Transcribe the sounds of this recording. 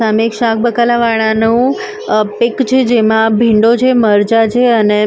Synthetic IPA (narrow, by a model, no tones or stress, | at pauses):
amekʃãk̚bəkalaʋaɭ̃anũ | pɪkt͡ʃʰed͡ʒemãbʱɪ̃ɳɖot͡ʃʰeməɾt͡ʃat͡ʃʰeəne